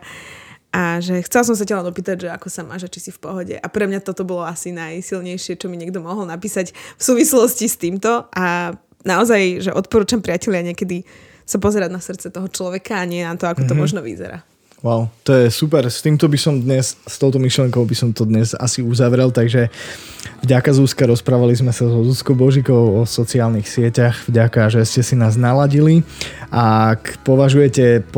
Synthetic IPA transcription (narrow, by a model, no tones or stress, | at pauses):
ʔaʒɛxt͡sɛls̬ɔms̬acalɛnɔpiːt̪aɟʒɛakɔsama̰ːʒat͡ʃisifpɔɦɔɟɛ̰ʔapɾɛmɲat̪ɔt̪ɔbɔlɔasinajsilɲɛjʃɪɛt͡ʃɔmiɲɪɛɡ̚d̪ɔmɔɦɔlˠnapiːsacfsuːʋislɔscist̪iːmt̪ɔʔa | naɔzajʒɛʔɔt̪̚pɔɾuːt͡ʃampɾɪacɛʎɪaɲɪɛkɛd̪i | sapɔzɛɾad̪nasrt̪t͡sɛt̪ɔɦɔt͡ʃlɔʋɛkaːɲɪɛnat̪ɔakɔt̪ɔmɔʒnɔʋḭzɛ̰ɾa̰ː | waʊt̪ɔjɛsup̬ɛɾst̪iːmt̪ɔbisɔmd̪ɲɛsst̪ɔʊt̪ɔmiʃlɪɛŋkɔʊbisɔmt̪ɔd̪ɲɛza̰siuzaʋɾɛlt̪aɡʒɛ | vɟakazuskaɾɔspɾaːʋalizmɛsazɔzuskɔbɔʒikɔʊɔsɔt͡siaːlnixsɪɛcaɣvɟakaʒɛscɛsinaːznalaɟiliʔakpɔʋaʒujɛcɛp